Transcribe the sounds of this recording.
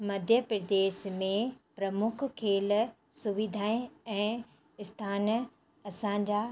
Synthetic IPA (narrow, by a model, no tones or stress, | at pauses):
mɐd̪ʱjəpɾɐd̪eːʃmẽpɾɐmʊkʰkʰeːl | sʊʋid̪ʱaːẽɛ̃ː | ɪst̪ʰaːn | ɐsãɲd͡ʑa